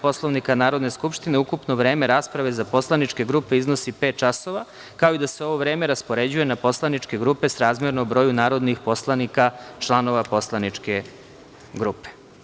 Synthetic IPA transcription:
po̞slˠo̞ʋnikanaːɾo̞d̪ne̞skupʃt̪ineukupnoʋɾe̞ːme̞ɾaːspɾaʋe̞zapo̞slˠanit͡ʂke̞ɡɾupe̞izno̞sipe̞ːt̪̚t͡ʃaso̞ʋa | kao̞id̪ase̞o̞ʋoʋɾeːme̞ɾaspo̞ɾe̞d͡ʑuje̞napo̞slˠanit͡ʃke̞ɡɾupe̞sɾaːzmjeɾnoobɾo̞ːjunaːɾo̞d̪nixpo̞slˠanikat͡ʃlˠano̞ʋapo̞slanit͡ʃke̞ | ɡɾupe̥

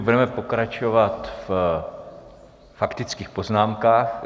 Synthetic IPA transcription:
budɛmɛpo̞kɾat͡ʃovat̪f | fakt̪ɪt͡skiːxpo̞znaːmkaːx

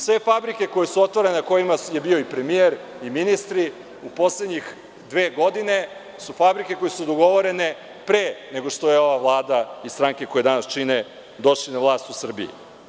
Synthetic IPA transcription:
sʋe̞fabɾike̞ko̞jesuo̞t̪ʋaɾenko̞jimaje̞bioipɾe̞mieɾiminist̪ɾi | upo̞sled̪ɲix | d̪ʋeːɡo̞d̪ine̞ | sufabɾike̞ko̞jesud̪oɡo̞ʋo̞ɾe̞ne̞ | pɾeːne̞ɡo̞ʃt̪ojeo̞ʋavlˠaːd̪aist̪ɾaŋke̞ko̞jed̪anast͡ʃine | d̪o̞ʃlinaʋlˠaːst̪usr̩bḭḭ

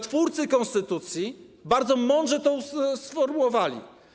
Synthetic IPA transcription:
t̪fuɾt̪sɘkɔ̃nst̪ɘt̪ut̪sʲji | baɾd̪zɔmɔnd̪ʐɛt̪ɔ̃ssfɔɾmuwɔvalʲḭ

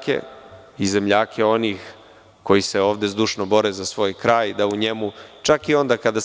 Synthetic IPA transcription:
ke̞̰ | ize̞mʎaːkʰe̞o̞niːx | ko̞jiseo̞ːʋd̪e̞zd̪uʃnobo̞ɾezasʋo̞ːjkɾaːjd̪auɲemut͡ʃakio̞nd̪aːkad̪a

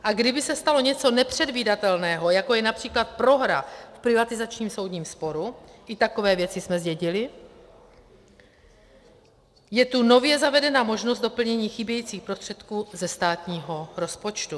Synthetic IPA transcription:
ʔaɡdɪbɪsɛst̪alo̞ɲɛt͡so̞nɛpr̝̥ɛdviːdat̪ɛlnɛːɦo̞jako̞jɛnapr̥iːklat̪̚pɾo̞ɦɾa̰fpɾɪvat̪ɪzat͡ʃɲiːmso̞wdɲiːmspo̞ɾuʔɪt̪ako̞vɛːvjɛt͡sɪsmɛzɟɛɟɪlɪ | jɛt̪uno̞vjɛzavɛdɛnaːmo̞ʒnost̪̚dopl̩ɲɛɲiːxɪbjɛjiːt͡siːxpɾost̪r̥ɛt̪kuːzɛst̪aːt̪ɲiːɦo̞ɾo̞spo̞t͡ʃt̪u

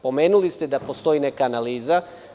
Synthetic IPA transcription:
po̞me̞ːnulist̪ed̪apost̪o̞ine̞kaːnaliːza

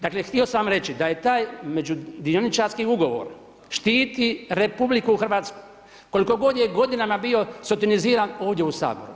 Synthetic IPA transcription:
d̪aːklext̪io̞samɾe̞t͡ʃid̪ajet̪aːjme̞d͡ʒud̪ionit͡ʃaɾskiuɡo̞ʋo̞̰ɾ | ʃt̪iːt̪iɾe̞publikuxr̩ʋaːt̪sko̥j | ko̞liko̞ɡo̞d̪jeɡo̞d̪inamabio̞sot̪iniziːɾano̞ːʋd̪jeusa̰ːbo̞̰ɾṵ

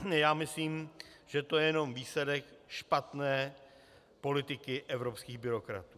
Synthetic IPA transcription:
jaːmɪsliːmʒ̥ɛt̪o̞jɛjɛno̞mviːslɛdɛkʃpat̪nɛː | po̞lɪt̪ɪkɪʔɛvɾo̞pskiːɣbɪɾo̞kɾa̰t̪uː

